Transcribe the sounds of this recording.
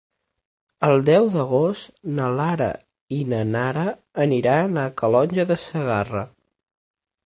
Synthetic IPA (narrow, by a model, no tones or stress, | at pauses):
əlˠd̪ɛwðəɣost̪nəlaɾə̰ | inənaɾəː | niɾanəkəlɔnʲʒəðəsəɣarə